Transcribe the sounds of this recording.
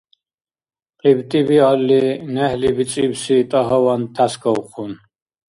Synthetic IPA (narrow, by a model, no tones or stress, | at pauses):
qʼibt̪ʼibialːinɛhlibit͡sʼibsit̪ʼɔɦɔvant̪ʰasɡɔuχun